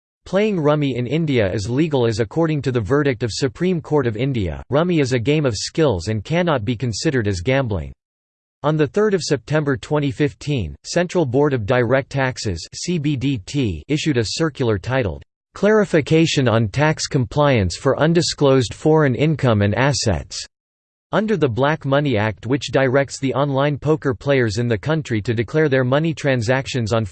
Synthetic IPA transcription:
pʰl̥eɪɪ̃ŋɹʌmiɪ̃nɪ̃ndiɨɪzliɡl̩ˠɨzɨkʰɔɹɾɪ̃ŋtʰɨðɨvɜ˞ɾɨk̚tʌv̥sɨpʰɹ̥ĩmkʰɔɹɾʌvɪ̃ndiɨ̰ɹʌmiɨzɨɡẽɪ̃mʌv̥skɪlˠzɨ̃nkʰænɑt̚b̥ikɨ̃nsɪɾə˞ɾɨzɡæ̃mblɪ̰̃ŋ | ə̃nðɨθɜ˞ɾʌv̥sɛp̚tʰɛ̃mbə˞tʰw̥ɛ̃ɾ̃ifɪftʰĩnsɛ̃nt͡ʃɹ̥l̩ˠbɔɹɾʌvdaɪɹɛk̚tʰæksɨz̥sibiditʰiɪʃʉɾɨsɜ˞kjl̩ˠə˞tʰaɪɾl̩ˠ | kʰl̥ɛɹɨfɨkʰeɪʃɨ̃nə̃ntʰækskʰə̃m̩pʰl̥aɪɨ̃nsfə˞ʔʌ̃ndɨskloʊzd̥fɔɹɨ̃nɪ̃nkʰʌ̃mɨ̃næsɛ̰ts | ʌ̃ndə˞ðəblækmʌniæk̚t̚wɨt͡ʃd̥aɪɹɛk̚tsðiʔɑ̃nlãɪ̃npʰoʊkə˞pʰl̥eɪə˞zɨ̃nðɨkʰʌ̃nt͡ʃɹ̥iɾɨdɨkʰl̥ɛɹðə˞mʌnitʰɹ̥æ̃nzækʃɨ̃nzn̩

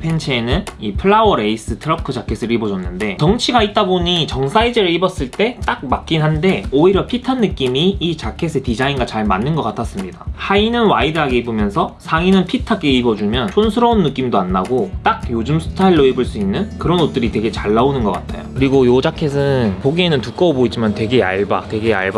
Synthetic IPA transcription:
pʰe̞nt͡ɕʰeːnɯnipʰɯɭːawʌɾe̞is͈ɯtʰɯɾʌkʰɯd͡ʑakʰe̞sʰɯɾibʌd͡ʑʌnːɯnde̞tʌŋt͡ɕʰiɡait̚t͈aboɲit͡ɕʌŋsʰaid͡ʑeɾɯɭibʌs͈ɯɭt͈e̞t͈ak̚mak͈inɦande̞oiɾjʌpʰitʰanːɯk͈imiːt͡ɕakʰe̞sʰetid͡ʑainɡat͡ɕaɭmanːɯnɡʌk͈atʰas͈ɯmɲidahainɯnwaidɯɦaɡe̞ibumjʌnsʰʌsʰaŋinɯnpʰitʰak͈eibʌd͡ʑumjʌnsʰonsʰɯɾʌunːɯk͈imdoanːaɡot͈ak̚jod͡ʑɯmsʰɯ̥tʰaiɭːoibɯɭs͈uinːɯnkɯɾʌnot̚t͈ɯɾitwe̞ɡe̞t͡ɕaɭːaunɯnɡʌk͈atʰa̰jo̰kɯɾiɡojod͡ʑakʰe̞sʰɯnpoɡienɯntuk͈ʌboid͡ʑimantwe̞ɡe̞a̰ɭba̰twe̞ɡea̰ɭba

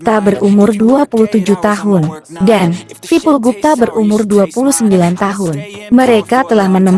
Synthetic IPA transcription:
t̪abərumʊrduapuluht̪ud͡ʒuht̪aɦʊndansipulɡup̚t̪abəɾumʊrduapuluhsəmbilant̪aɦʊnməɾekat̪əlahmənəm

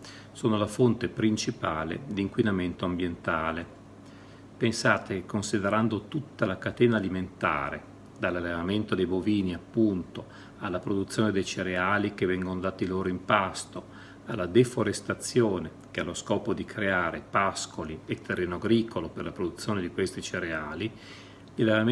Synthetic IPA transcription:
soːnolafont̪epɾint͡ʃipaːlḛd̪iŋkwinament̪oambjent̪aːle | pensaːt̪ekonsid̪eɾand̪ot̪ut̪ːalakat̪ɛːnaːliment̪a̰ːɾḛ | d̪alːalːevament̪od̪ejboviːniapːunt̪o | alːapɾod̪ut̪sːjoːned̪ejt͡ʃeɾeaːlikevɛŋɡonod̪aːt̪iloːɾoimpast̪o | alːad̪efoɾest̪at̪sːjoːne | k̟ealːoskɔːpod̪ikʰɾeaːɾepaskoliet̪ːerːeːnoaɡɾiːkoloperlapɾod̪ut̪sːjoːned̪ikwest̪it͡ʃeɾeaːli | lilːeva

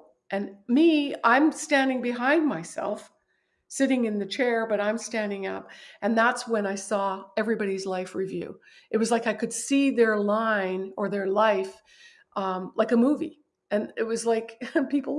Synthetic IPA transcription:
ʔɨ̃nmiãɪ̃mstæ̃ndɪ̃ŋbɨɦãɪ̃nmaɪsɛ̰lˠf | sɪɾɪ̃ŋɨ̃nðɨt͡ʃʰɛɹbʌɾãɪ̃mstæ̃ndɪ̃ŋʌ̰p̚ɨ̃nðætswɨ̃naɪsɔɛvɹibɑɾizlaɪfɹivjʉ̰ | ʔɨt̚wʌzlaɪkaɪkʰɨd̥siðə˞lãɪ̃nə˞ðə˞laɪf | ʔʌ̃mlaɪkəmuvḭ | ɨ̃nɪt̚wʌzlaɪkpipl̩ˠ

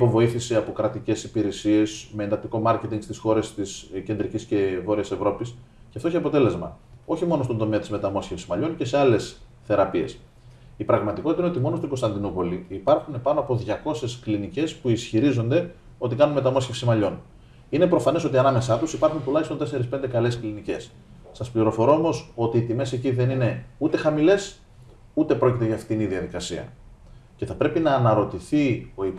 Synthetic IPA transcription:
ipo̞vo̞iθisiɐpo̞kɾɐt̪ice̞sipiɾe̞sie̞smeːnd̪ɐk̚t̪iko̞mɐɾce̞t̪iŋɡ̥st̪isxo̞ɾe̞st̪isce̞nd̪ɾicisce̞vo̞ɾiɐsevɾo̞pis | ceɐft̪o̞içeɐpo̞t̪e̞le̞zmɐ̰o̞çimo̞no̞st̪ond̪o̞meːɐt̪izme̞t̪ɐmo̞sçefsi̥zmɐʎo̞nce̞seɐle̞s | θe̞ɾɐpie̞s | ipɾɐɣmɐt̪ikotit̪ɐineot̪imo̞nost̪iŋɡost̪ɐnd̪inupo̞liipɐɾxune̞pɐno̞ɐpo̞ðʝɐko̞se̞sklinice̞spuisçiɾizo̞nd̪e̞ | o̞t̪ikɐnunmet̪ɐmo̞sçefsimɐʎo̞n | ine̞pɾo̞fɐne̞so̞t̪iɐnɐme̞sɐt̪usipɐɾxunt̪ulɐçist̪ot̪ese̞ɾispe̞nd̪ekɐle̞sklinice̞s | sɐspliɾo̞fo̞ɾo̞omo̞so̞t̪iːt̪ime̞se̞ciðe̞nine̞ut̪e̞xɐmile̞s | ut̪e̞pɾo̞cit̪e̞ʝɐːft̪iniðiɐðikɐsḭɐ̰ | ce̞θɐpɾe̞pinɐːnɐɾo̞t̪iθio̞ip

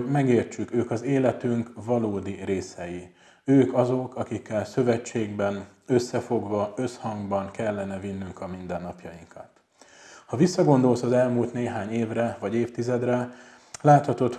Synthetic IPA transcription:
mɛɡeːrt͡ʃykøːkɒzeːlɛt̪yŋkvɒloːd̪ireːsɛji | øːkɒzo̞kɒkikːɛlsø̞vɛt͡ʃːeːɡbɛnø̞sːɛfo̞ɡvɒø̞shɒŋɡbɒŋkɛlːɛnɛvinːyŋkɒmind̪ɛnːɒpjɒjiŋkɒt̪ | hɒvisːɒɡo̞nd̪o̞lsɒzɛlmuːlt̪neːɦaːɲeːvrɛvɒɟeːft̪izɛd̪rɛ | laːt̪hɒt̪o̞t̪

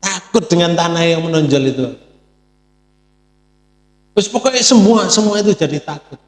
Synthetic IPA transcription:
t̪akʊt̪̚d̥əŋant̪anajɔmənɔɲd͡ʒɔlit̪u | wʊspɔkɔisəmbuasəmuait̪̬u̥d͡ʒ̥a̤d̥it̪akʊt̪̚

